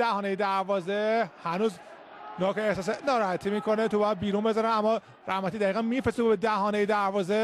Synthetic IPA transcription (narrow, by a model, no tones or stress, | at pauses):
æhɒːnejed̪æɾvɒːzehænuːz | nɒːkeeht̪ɒːs̬enɒːɾɒhæt̪ʰimiːkʰo̞net̪ʰobɒjæd̪̚biːɾunbe̞zɒɾænæmːɒ | ɾʔæhmæt̪iːd̪æiːɣænmifesubed̪æhɒːnejed̪æɾvɒːze